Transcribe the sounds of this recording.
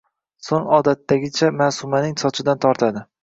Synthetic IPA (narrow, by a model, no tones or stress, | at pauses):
soŋɒd̪at̪ːaɡʲɪt͡ʃʰamasʊmanɪŋsɒt͡ʃʰɪd̪ant̪ʰɒɾt̪ʰad̪ɪ